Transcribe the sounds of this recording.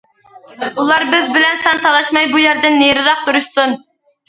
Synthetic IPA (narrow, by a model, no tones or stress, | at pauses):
ulˠɑɾbɪzbɪlɛnsɑnt̪ʰɑlˠɑʃmɑjbujæɾd̪ɪnːeɾɨɾɑχ̚t̪uɾuʃsun